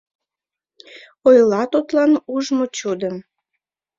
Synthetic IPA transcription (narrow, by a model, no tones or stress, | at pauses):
ojlɑt̪ut̪lɑnuʒmot͡ɕud̪əm